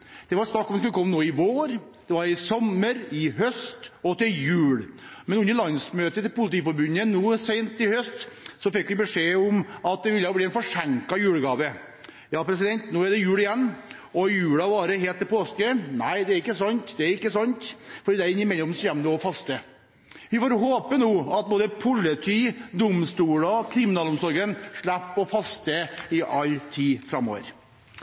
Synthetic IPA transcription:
d̪̥ɛʋɑɾst̪ɑkːɔmd̪skʉlːəkʰɔmːənoːɪʋoːɾ | d̪̥ɛʋɑɾɪsɔmːəɾɪɦœst̪ɔt̪ʰɪljʉːlmɛnʉnːəɭɑnsmøːt̪ət̪ɪlpʊlɪt̪iːfɔɾbʉnənuːseɪnt̪ʰːɪhœst̪sɔfɛkːʋɪbəʂeːɔmɑt̪̚d̪ɛʋɪlːəbliːɛnfɔʂæŋkɑjʉːɽəɡɑːʋə | jɑːpɾɛs̬ɪd̪ɛnt̪nuːæɖɛjʉːlɪjɛnːɔjʉːɽɑʋɑːɾəɦeːlt̪ːɛpʰoːskənæɪd̪ɛæɾɪkːəsɔnt̪d̪ɛæɾɪkːəsɔnt̪fɔɖiːd̪ɛæɾɪŋːəmɛlːɪɔmsɛmnoɔfɑst̪ə | ʋɪfoːɾɦoːpənuːɑt̪̚boːd̪əpʰʊlːət̪ʰyːd̪ʊmst̪uːlɑkʰɾɪmɪnɑːlʊmsɔɾɡənʂɭæpːɔfɑst̪əɪʔɑlːt̪ʰiːfɾɑmːo̰ːʋə̰ɾ

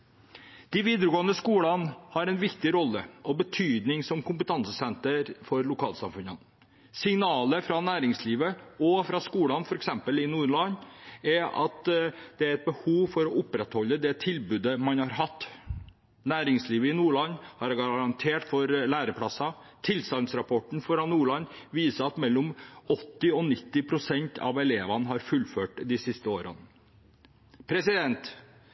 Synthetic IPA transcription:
d̪̥ɪʋiːd̪əɾəɡoːənəskuːlɑnhɑɾɛɪnʋɪkt̪ɪɾɔlːəʔɔbət̪ʰyːd̪nɪŋsɔmkʊmpət̪ʰɑnsəsɛnt̪əɾfɔɾlʊkʰɑːlsɑ̰mfʉnən | sɪŋnɑːləfɾɑnæːɾɪŋsliːʋəɔfɾɑskuːlɑnfɔɾɛksɛmpəlɪnuːlɑnɛʔɑ̰t̪d̪̥ɛæɾɛt̪̚bəhuːʋfɔɾɔʔʊpɾɛt̪hɔlːəd̪ɛt̪ʰɪlbʉːd̪əmɑnhɑɾɦɑt̪ː | næːɾɪŋsliːʋəɪnuːɭɑnhɑɾɡɑɾɑnt̪ʰeːʈfɔɾlæːɾəpʰɽɑsɑ | t̪ʰɪlsɑlnsɾɑpʰɔʈɳ̩fɔɾɑnuːɭɑnʋiːsəɑt̪mɛlːɔmɔt̪ːɪɔnɪt̪ːɪpʰɾʊsɛnt̪ʰɑ̰ʋɛleːʋɑnɦɑɾfʉlføːʈd̪ɪsɪst̪əoːɾɑ̰n | pʰɾɛsɪd̪ɛnt̪

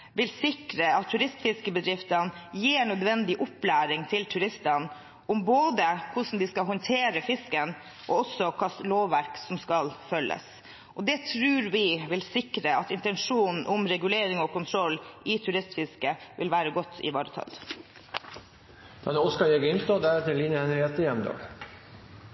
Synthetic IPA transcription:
ʋɪlsɪkɾəɑt̪ʰːʉɾɪst̪fɪskəbəd̪ɾɪft̪ənjiːɳœd̪ʋɛnd̪ɪʔʊplæːɾɪŋt̪ʰɪlt̪ʰʉɾɪst̪ən | ʔʊmboːd̪əkʰʊʂn̩d̪ɪskɑɦɔnt̪ʰeːɾəfɪskən | ʔɔɔsːɔkʰɑsloːʋːæɾksɔmskɑlfœlːʔə̰s | ʔɔd̪ɛt̪ʰɾʉːɾʋɪʋɪlsɪkɾəɑt̪ɪnt̪ɛnʂuːnn̩ʔʊmɾɛɡʉleːɾɪŋɔːkʊnt̪ʰɾɔlːɪt̪ʰʉɾɪst̪fɪskəʋʔɪlʋæːɾəɡɔt̪ːɪ̰ʋɑːɾət̪ʰɑ̰l | d̪̥ɛnɔskɑjɛɡɪnst̪ɑd̪æɾɛt̪ʰːɪlːiːnjəɛnɾɛt̪ːəjɛmd̪ɑ̰ːɡ

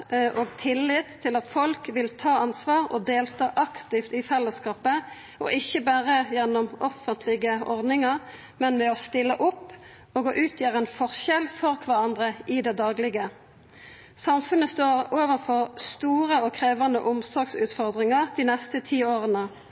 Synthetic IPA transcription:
ʔoːɡt̪ʰɪlːɪt̪ʰːɪlɑt̪fɔlkʋɪlt̪ʰɑːɑnsʋɑːʁɔ̰d̪eːlt̪ʰɑːʔɑkt̪ɪft̪ɪfɛlːəskɑːpə | ɔ̰ʔɪçːəbæːʁəjɛnːɔmɔfənt̪ʰlɪɡəʔɔʁd̪nɪŋɑʁ | mɛnmɛɔst̪ɪlːəʔʊpː | ɔːɡɔʔʉːt̪ʰjiːʁəɛnfɔʁʃɛlfɔʁkʰʋɑʁɑnd̪ʁəʔɪd̪ɛd̪ɑːɡlɪɡə | sɑmfʉnəst̪oːʁoːʋənfɔʁst̪uːʁəɔkʰʁeːʋɑnd̪ə̰ʔʊmsɔɡsʉ̰ːt̪fɔʁd̪ʁɪŋɑʁd̪ɪnɛst̪ət̪ʰiːoːʁənə

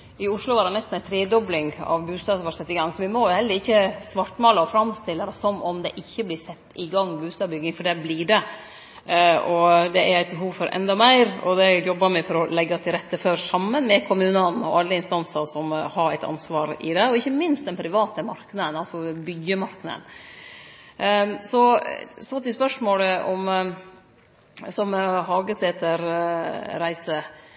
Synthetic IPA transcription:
ɪʊʂlʊʋɑːɾɖ̪ɛnɛst̪n̩æɪt̪ʰɾeːd̪ɔblɪŋɑ̰ʋbʉːst̪ɑːsʋɑːsɛt̪ːɪɡɑŋːsɔʋɪmɔjʊhɛld̪əɾɪçːəsʋɑʈːmɑːlɑɔfɾɑmst̪ɪlːəɾsɔmɔmd̪ɛʔɪçːəblɪːsɛt̪ːɪɡɑŋːbʉːst̪ɑːbʏɡːɪŋfɔɖɛbliːɖɛ | ɔd̪ɛæɾæɪt̪bəɦuːʋfɔɾʔɛ̰nd̪ɑmæɪɾɔ̰d̪ɛjɔbːɑɾmɛfɔɾɔlɛɡːɑt̪ʰɪlɾɛt̪ːəføːɾsɑmːənmɛkʰʊmʉːnɑnɔ̰ɑlːəɪnst̪ɑnsɑsɔmhɑɾæɪt̪ɑ̰nsʋɑːɾɪ̰d̪ɛɔɪçːəmɪnst̪d̪ɛnpʰɾɪʋɑːt̪əmɑɾknɑd̪ənɑlsɔbʏɡəmɑɾknɑ̰d̪ə̰n | sɔsɑt̪ːɪspœʂmoːləʔɔ̰m | sɔmɦɑːɡəseːt̪əɾ | ɾæɪsə

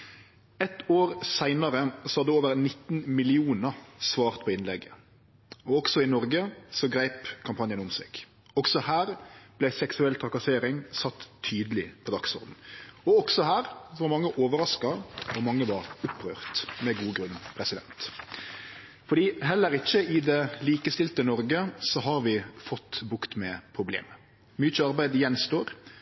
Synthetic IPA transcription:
ɛt̪oːɾsæɪnɑɾəsɔhɑd̪ɛoːʋəɾnɪt̪ːnmɪlɪuːnəɾsʋɑːʁt̪pʰɔɪnlɛɡːə | ɔɔksɔɪnɔɾɡəsɔɡɾæɪpkʰɑmpʰɑnjənʊmsɛ̰ːɡ̥ | ɔksɔhæːʁblæɪsɛksʉɛlt̪ʰɾɑkɑseːɾɪŋsɑt̪ʰːyːd̪əlɪpʰɔd̪ɑksɔ̰ɾd̪n̩ɔɔɡsɔɦæːɾsɔʋɑmɑŋːəʔoːʋəɾɑskɑʋɔɾmɑŋːəʋɑɾʊpːɾøːʁt̪mɛɡuːɡɾʉnːpʰɾɛsɪd̪ɛ̰nt̪ | fɔɾɖiːɦɛlːəɾɪçːəɪd̪ɛliːkəst̪ɪlt̪ənɔɾɡəsɔɦɑɾʋɪfɔt̪ːbʊkt̪mɛpʰɾʊblḛːmə | myːt͡ʃəɑɾbæɪd̪jɛnst̪oːɾ

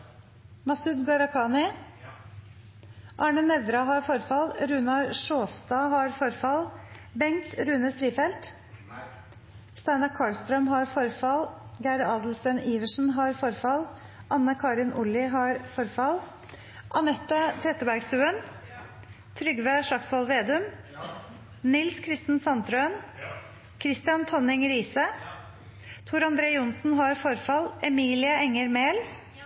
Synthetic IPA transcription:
mɑsʉd̪ɡɑɾɑkʰɑːnɪ | ʔɑːɳənɛʋɾɑɦɑɾfɔɾfɑlɾʉːnɑɾʂoːst̪ɑːɦɑɾfɔɾfɑl | bɛŋt̪ɾʉːnəst̪ɾiːfɛlt̪ | st̪æɪnɑkʰɑːɭst̪ɾœmɦɑɾfɔɾfɑlɡæːɾɑːd̪l̩st̪əniːʋəʂn̩ɦɑɾfɔɾfɑl | ʔɑnːəkʰɑːɾɪnʔʊlɪɦɑɾfɔɾfɑl | ʔɑnɛt̪ːət̪ʰɾɛt̪ːəbæɾɡst̪ʉːən | t̪ʰɾʏɡʋæʂɑksʋɑlʋeːd̪ʉm | nɪlskʰɾɪst̪n̩sɑnt̪ɾøːn | kʰɾɪst̪ɪɑnt̪ʰɔnɪŋɾiːsə | t̪ʰuːɾɑnd̪ɾeːʊnsn̩ɦɑɾfɔɾfɑlɛmiːlɪɑɛŋːəɾmeːl

